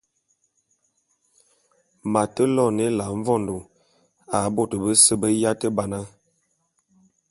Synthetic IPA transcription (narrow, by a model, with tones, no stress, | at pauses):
ma˨tə˦lɔ˦˨ne˦la˨ɱ˦vɔ˦˨ndu˨ | a˨bo˦˨tə˨bə˦sə˦bə˦ja˦tə˦ba˨na˦